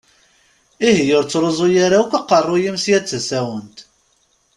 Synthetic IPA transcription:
ihjəɾt͡sːɾˤozˤojaɾaukʷaqːərˤːʊjimsjæt͡sːəsæwənt̪

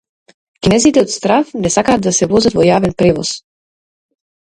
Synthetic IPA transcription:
kinɛzit̪ɛɔt̪st̪ɾafnɛsakaːd̪ːasɛvɔzat̪vɔjavɛnpɾɛvɔ̰s

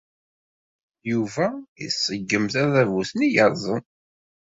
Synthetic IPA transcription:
juvæḭsˤːəɡːəmθæðævuθnijəɾˤzˤən

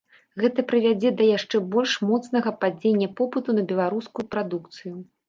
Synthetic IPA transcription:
ɣɛt̪ɐpɾɨvʲad͡zʲɛd̪ɐjaʂt͡ʂɛbɔlʲʂmɔt̪snɐɣɐpad͡zʲenʲːɐpɔpɨt̪unɐbʲɛlˠaɾuskujupɾad̪uk̚t̪sɨju

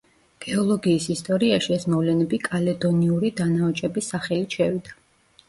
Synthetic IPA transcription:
ɡ̥ɛɔlˠɔɡiːsist̪ʼɔɾiaʃiɛsmɔvlɛnɛbikʼalɛd̪ɔniuɾid̪anaɔt͡ʃʼɛbisaχɛlit͡ʃʰɛvid̪a

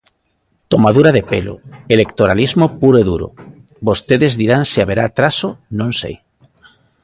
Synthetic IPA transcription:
t̪omað̞uɾaðepḛlo̰elekt̪oɾalizmopuɾoeðuɾo̰ | bost̪eðezðiɾaŋsiaβeɾat̪ɾasonõŋsḛj

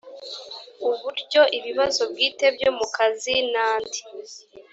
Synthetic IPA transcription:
uβuɾɟo̞ʔiβiβazo̞bɡiːte̞bjo̞mukazinaːndi

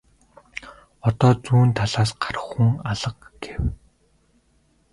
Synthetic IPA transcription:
ɔt̪ɔːt͡suːnt̪ʰaɮaːsɢaɾə̆χxuŋaɮə̆q̚ɡ̥ew

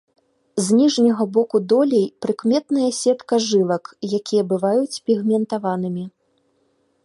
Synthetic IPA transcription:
zʲnʲiʐnʲɐɣɐbɔkud̪ɔlʲejpɾɨkmʲɛt̪nɨjɐsʲɛt̪kɐʐɨlˠɐkjakʲijɐbɨvajut͡sʲpʲiɣmʲɛnt̪avanɨmʲi

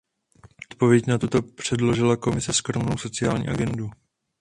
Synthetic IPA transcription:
ʔot̪̚po̞vjɛcnat̪ut̪o̞pr̝̥ɛdlo̞ʒɪlako̞mɪsɛskɾo̞mno̞wso̞t͡sɪa̰ːlɲḭːaɡɛndu

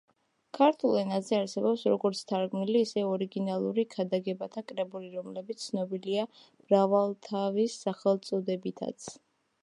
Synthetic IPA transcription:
kʰaɾt̪ʰulˠɛnazɛaɾsɛbɔpsɾɔɡɔɾt̪sʰt̪ʰaɾɡmniliːsɛɔɾiɡinalˠuɾikʰad̪aɡɛbat̪ʰakʼɾɛbuliɾɔmlɛbit̪ssʰnɔbilia | m̥ɾavalˠt̪ʰavisːaχɛlˠt̪sʼɔd̪ɛbit̪ʰa̰t̪sʰ

